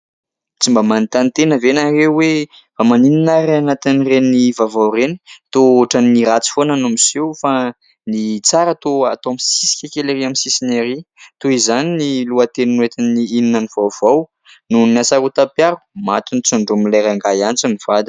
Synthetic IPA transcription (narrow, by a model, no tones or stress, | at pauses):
t͡simbəmanit̪ant̪enəvenarewe | famanininaɾanat̪inrenivavawreni̥t̪oʈ͡ʂanːiɾat͡si̥fonanomisewfa | nit͡saɾat̪oa̰t̪oamsisi̥kʲekʲeleɾiamisisineɾit̪uizaniniluat̪eninwet̪iniininəniv̥awv̥aw | nuniasaɾut̪apjaɾu̥mat̪unit͡suɳɖ͡ʐumilaɾaŋɡajant͡simiv̥ad̪